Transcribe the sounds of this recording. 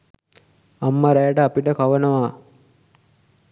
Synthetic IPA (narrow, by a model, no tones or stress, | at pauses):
amːəɾajəʈəapiʈəkaʋənəʋaː